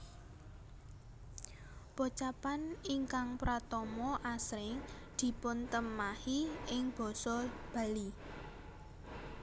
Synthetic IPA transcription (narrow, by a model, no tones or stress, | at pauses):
pot͡ʃapaniŋkaŋpɾat̪ɔmɔʔasɾɪŋ | d̪̥i̤pʊnt̪əmahiɪŋb̥ɔ̤sɔb̥a̤li